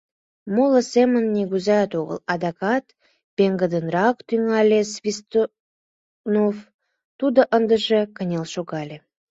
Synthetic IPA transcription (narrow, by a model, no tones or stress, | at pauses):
moləsemənːʲeɣuzɑt̪oɣə̰lɑd̪ɑkɑt̪ | beŋɡəd̪ənrɑkt̪yŋɑlʲesvʲist̪o | nof | t̪ud̪ə̆ʔənd̪ə̆ʒekənʲelʃoɣɑlʲe